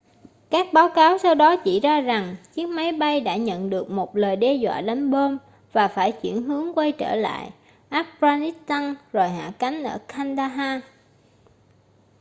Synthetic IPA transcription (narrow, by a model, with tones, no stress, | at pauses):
kaː˦˥k̚ɓaː˨˦wkaː˨˦wsa˧wɗɔ˨˦t͡ɕi˧˩zaː˧za˨˩ŋt͡ɕi˦˥ək̚ma˨˦jɓa˧jɗa̰ː˧˥ɲə̰˧˨nɗɨ˨˩ək̚mo˨˩t̚ləː˨˩jɗe˧zwa̰ː˧˨ɗa˨˦nɓo˧m | vaː˨˩faː˧˩jt͡ɕwḭ˧˩ənɦɨ˨˦əŋkwa˧jt͡ɕəː˧˩la̰ː˧˨j | ʔaː˦˥p̚pzaː˧ni˦˥t̚t̪a˧ŋzo˨˩jɦa̰ː˧˨ka˨˦jŋ̟ʔəː˧˩kʰa˧nɗaː˧ɦaː˧